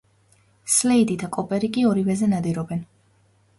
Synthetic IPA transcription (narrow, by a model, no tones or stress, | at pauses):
slɛid̪id̪akʼɔpʼɛɾikʼiɔɾivɛzɛnad̪iɾɔbɛn